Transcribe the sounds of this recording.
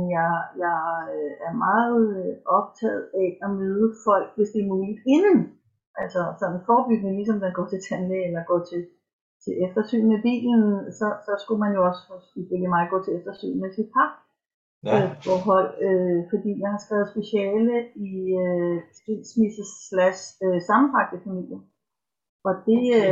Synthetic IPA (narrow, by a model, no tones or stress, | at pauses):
jɑ̈jɑ̈øæɐmɑ̈ːð̩ˠʔɒ̽b̥̚t͡sʰɛ̰ːð̩ˠæɒ̽møːð̞ˠəfɒ̽l̰ɡ̥̚ʋe̝sd̥e̝ɐmuːlid̥e̝nən̩ | ʔælsɒsɒ̽n̰n̩fɒːb̥yɡ̥ənəlisɒ̽md̥enɡ̥ɒ̰ːt͡sʰe̝t͡sʰænleelɐɡ̥ɒ̰ːt͡sʰe̝l | t͡sʰe̝lʔefd̥ɐsy̰ːn̩meb̥ḭːln̩sɒ̽sɒ̽sɡ̥umænjo̝ɒ̽sfɔsid̥e̝lemɑ̈ɪɡ̥ɔ̰̽ːt͡sʰe̝efd̥ɐsy̰ːn̩mesid̥̚pʰɑ̥̈ | øfɒːɦɒ̽l̰øfɒ̽d̥ḭːmænhɑ̈sɡ̥ʁɛːʊðˠsb̥e̝ɕɛːləiøsd̥ḛːdsmisəslæsøsɑ̈mn̩fʰɑ̈ɡ̥̚d̥əfæmil̰jɐ | ʔɒ̽d̥e̝